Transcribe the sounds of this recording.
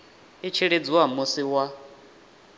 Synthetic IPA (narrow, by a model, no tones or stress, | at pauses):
it͡ʃʰiɺed͡ziwamusiwa